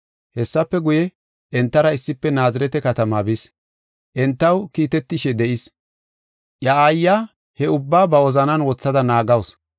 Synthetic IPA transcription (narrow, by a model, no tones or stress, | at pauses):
hɛsːɐpːɛɡʊjɛ | ʔɛnt̪ːɐɾɐɪsːɪpːɛnaːzɪɾɛt̪ɛkɐt̪ɐmabɪs | ʔɛnt̪ːɐwkiːt̪ɛt̪ːɪʃɛd̪ɛʔɪs | ʔjɐaːjːaː | hɛʊbːaːbɐwɔzɐnɐnwɔt͡sːɐd̪ɐnaːɡɐws